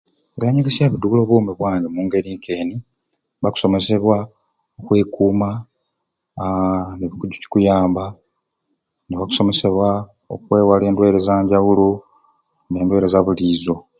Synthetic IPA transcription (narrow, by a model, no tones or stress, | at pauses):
ejaɲeɡesiaβiduuloβoːmiβwaːɲɡemuːŋɡe̞ɾiːŋkʰe̞ːni | βaku̥so̞me̞se̞βwa | okwe̞ːkuːma | neβikuɟuci̥kujaːmba | neβaku̥so̞me̞se̞βwa | o̰kwe̞ːwale̞ːndwe̞ːɾezaːɲɟawulo | ne̞ːndwe̞ːɾezaβuliːzo̞